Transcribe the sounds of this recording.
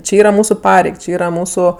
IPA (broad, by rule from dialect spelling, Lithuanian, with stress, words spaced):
ˈt͡ʃʲɪ ˈiːrɐ ˈmuːsʊ ˈpɑːrʲɛɪk ˈt͡ʃʲɪ ˈiːrɐ ˈmuːsʊ